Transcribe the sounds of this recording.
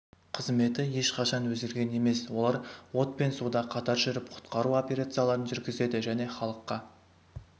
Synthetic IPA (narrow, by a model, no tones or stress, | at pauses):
qʰəzme̞t̪ɪje̞ʃqʰɑʃɑnwɵzɡʲeɾɡʲe̞ne̞me̞swo̞lˠɑɾwo̞t̪pe̞nsud̪ɑqʰɑt̪ɑɾʒʏɾɪpqʰʊ̥t̪qɑɾuo̞pʲe̞ɾat̪sɨjalˠɑɾənʒʏɾɡʲɪze̞d̪ɪʒæne̞χɑlˠəqːɑ